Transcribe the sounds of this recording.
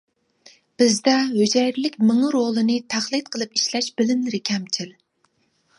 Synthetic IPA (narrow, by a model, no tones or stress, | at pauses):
b̥ɪzd̪ɛɦød͡ʒɛjɾlɪkʲmɨŋɨɾolˠɨnɨt̪ʰæχlˠɨt̪̚qʰəlˠɨp̚iʃlɛʃb̥ɪlɪmlɪɾɪkʲʰɛmt͡ʃʰɪl